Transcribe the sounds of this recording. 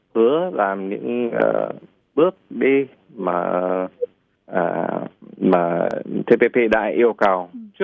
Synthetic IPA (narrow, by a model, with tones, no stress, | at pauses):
hɨ˨˦əlaː˨˩mɲɨ̰˧˥ŋʔə̰ː˨˩ | ɓɨ˦˥ək̚ɗi˧ | maː˨˩ | ʔaː˨˩ | maː˨˩t̪ʰe˧pe˧pe˧ɗa̰ː˧˥jʔi˧əwka˨˩w